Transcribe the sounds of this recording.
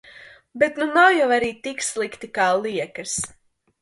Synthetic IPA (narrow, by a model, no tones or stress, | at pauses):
bet̪nunawjawaɾiːt̪ikslˠikt̪ikaːlˠiɛkɐs